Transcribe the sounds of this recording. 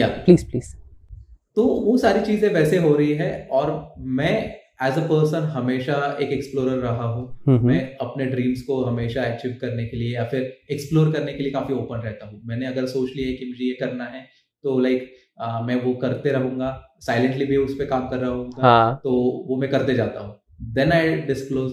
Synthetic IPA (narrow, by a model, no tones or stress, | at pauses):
ja̰ːpliːzpliːz̥ | t̪oːʋosaːɾit͡ʃiːzẽʋɛːseɦoːɾɐɦiɦɛ̃ɔːɾmɛ̃ː | æːzəpəːɾsə̃nɦɐmeːʃaeːkeksploːɾəɾːɐɦaɦũːmɛ̃ɐpneɖɾĩːmskoɦɐmeːʃaɛːk̚t͡ʃiːʋkɐɾnekeliejaːfɪɾeksploːɾkɐɾnekeliekaːfioːpənɾɛɦt̪aɦũmɛːneɐɡəɾsoːt͡ʃlieːkɪmd͡ʒiekɐɾnaɦɛ | t̪oːlaɪkː | mɛ̃ːʋokɐɾt̪eɾɐɦũːŋɡa | saːɪlɛ̃ɳʈlibʱiʊspekãːmkɐɾːɐɦũːŋɡat̪oːʋomɛ̃kɐɾt̪ed͡ʒaːt̪a̰ɦũː | d̪ɛ̃naɪɖɪskloːz